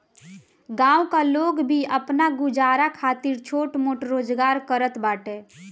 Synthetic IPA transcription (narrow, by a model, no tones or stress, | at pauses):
ɡãːukaloːɡbʱiəpnaɡʊd͡ʒaːɾakʰaːt̪ɪɾt͡ʃʰoːʈmoːʈɾoːd͡ʒɡaːɾkəɾət̪baːʈe